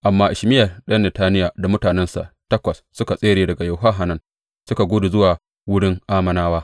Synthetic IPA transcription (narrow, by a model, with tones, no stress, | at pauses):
ʔa˨mːaː˦ʔɪ˨ʃmɪ˦jɐ˨rɗɐ˦nːɛ˨taː˦nɪ˦jaː˨da˨mʊ˦taː˨nɛ˦nsa̰˨ʔtɐ˦kʷɐ˨sːʊ˦ka˨sʼeː˦ɽeː˨dɐ˨ɡa˨ja˨wɦɐ˦ɦa˨nɐ˦n | sʊ˦ka˨ɡʷuː˦du˨zʊ˦waː˨ | wʊ˦ɽɪ˦ŋʔaː˦mɐ˦naː˦waː˦